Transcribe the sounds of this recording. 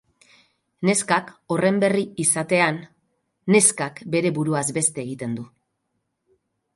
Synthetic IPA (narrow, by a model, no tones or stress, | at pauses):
ne̞skako̞re̞mbe̞riisat̪e̞anː | e̞skakbe̞ɾe̞βuɾuazbe̞st̪e̞ːɣ̞it̪e̞nd̪u